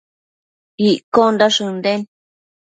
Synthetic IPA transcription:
iʔkond̪aʂɨ̃nd̪ẽn

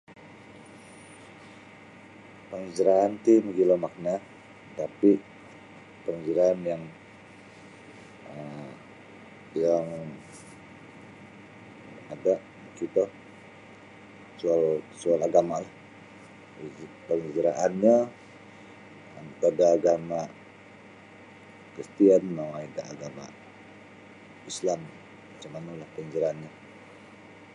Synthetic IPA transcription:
pəŋid͡ʒəɾaːnt̪iməɡilomak̚na | t̪api | pəŋid͡ʒiɾaːnjaŋ | ə | jaŋ | adaʔmukit̪uh | sualsualaɡamaʔlah | pəɲd͡ʒəɾaʔanɲə | ank̪adaːɡamaʔ | kɾist̪ianːawaidaʔaɡama̰ʔ | islam | mat͡ʃamanalahpəɲd͡ʒəɾaanɲə

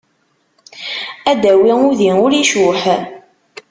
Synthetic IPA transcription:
æd̪æwiuðiʊɾiʃuħ

